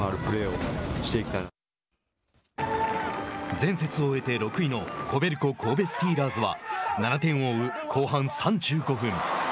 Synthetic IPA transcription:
aɾɯ̟pɯ̟ɾe̞ːoɕi̥t̪e̞kʲi̥t̪a | d͡zẽ̞ɰ̃se̞t͡sɨo̞e̞t̪e̞ɾo̞kɯ̟ino̞ko̞be̞ɾɯ̟ko̞kʰo̞ːbe̞sɨ̥t̪ʲiːɾaːzɨβa̰nanat̪ẽ̞ɰ̃o̞ɯ̟kʰo̞ːɦãñsãɲ̟d͡ʑɨːɡo̞ɸɯ̟̃ŋ

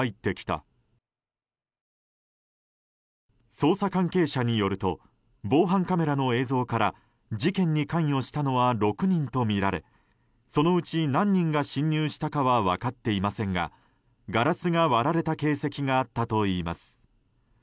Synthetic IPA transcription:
it̪ːe̞kʲi̥t̪a̰ | so̞ːsakãŋke̞ːɕaɲ̟ijo̞ɾɯ̟t̪o̞̰ | bo̞ːɦãŋkame̞ɾano̞e̞ːzo̞ːkaɾa | d͡ʑikẽ̞ɲ̟ːikãɰ̃o̞ɕi̥t̪ano̞βaɾo̞kɯ̟ɲ̟ĩnt̪o̞mʲiɾaɾe̞̰ | so̞no̞ɯ̟t͡ɕinãɲ̟ːĩŋɡaɕĩɲ̟ːɨːɕi̥t̪akaβaβa̰kat̪ːe̞imasẽ̞ŋɡa̰ | ɡaɾasɨɡaβaɾaɾe̞t̪ake̞ːse̞kʲiɡaːt̪ːat̪o̞iːma̰sɨ̥

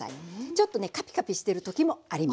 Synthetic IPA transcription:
a̰it͡ɕo̞t̪ːonekapʲi̥kapʲiɕi̥t̪e̞ɾɯ̟t̪o̞kʲimo̞aɾʲima

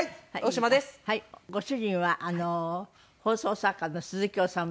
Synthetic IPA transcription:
haioɕimad̪eshaiɡo̞ɕɨʑĩɰ̃βaʔano | ho̞ːso̞ːsakːanːosɨzɨkʲoːsãm

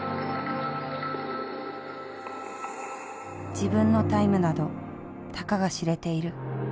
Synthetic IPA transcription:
d͡ʑibɯ̟̃nːo̞t̪aimɯ̟nad̪o̞ | t̪akaɡaɕiɾe̞t̪e̞iɾɯ̟

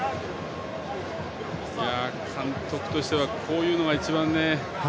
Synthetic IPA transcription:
jjaːkʰãnt̪o̞kɯ̟̥t̪o̞ɕi̥t̪e̞βakʰo̞ːjɯ̟ːno̞ɡait͡ɕibãnːe̞

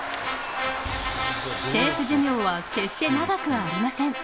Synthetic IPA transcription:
se̞ːɕɨʑimʲo̞ːβake̞ɕi̥t̪e̞naɡakɯ̟ːɾʲimasẽ̞ŋ

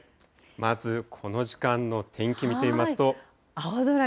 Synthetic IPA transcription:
mazɨkʰo̞no̞ʑi̥kãnːo̞t̪ʰẽ̞ŋkʲimʲit̪e̞imasɨ̥t̪o̞ | azoɾa

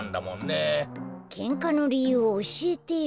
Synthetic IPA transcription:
nd̪amõ̰nːekʰẽ̞ŋkano̞ɾʲijɯ̟ːoːɕiet̪e̞i

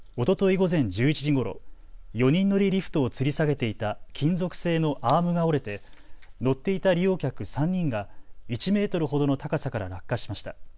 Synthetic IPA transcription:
o̞t̪o̞t̪oiɡo̞zẽ̞ɲ̟d͡ʑɨːit͡ɕiʑiɡo̞ɾo̞̰ | jo̞ɲ̟ĩnːo̞ɾʲiɾʲiɸɯ̟̥t̪o̞ːt͡sɨɾʲisaɡe̞t̪e̞it̪akʲʰĩnzo̞kɯ̟̥se̞ːno̞ʔaːmɯ̟ɡao̞ɾe̞t̪e̞no̞t̪ːe̞it̪aɾʲijo̞ːkʲakɯ̟sãɲ̟ːĩŋɡait͡ɕime̞ːt̪o̞ɾɯ̟ɦo̞d̪o̞no̞t̪akasakaɾa̰ɾakːaɕi̥maɕi̥t̪a

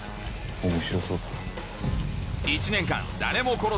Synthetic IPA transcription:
oŋuɕoso | it͡ɕʰinenkʰa̰nːanemokʰoɾo

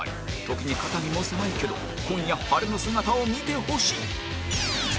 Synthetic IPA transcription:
ḭt̪o̞kʲiɲ̟ikat̪amʲimosenaike̞d̪o̞̰ | kõ̞ɲ̃ijahaɾɯno̞sɨŋat̪aomʲit̪e̞ho̞ɕi̥e

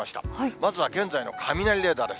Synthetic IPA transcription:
aɕi̥t̪a̰hmazɨβaɡẽ̞nd͡zaino̞̰kʰamʲinaɾʲiɾe̞ːd̪aːd̪e̞s

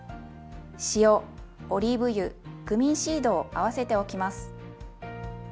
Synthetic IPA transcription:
ɕijo̞oɾʲibɯ̟jɯ̟ɡ̥ɯ̟mʲĩɰ̃ɕiːd̪o̞ːʔaβ̞ase̞t̪e̞o̞kʲimasɨ̥

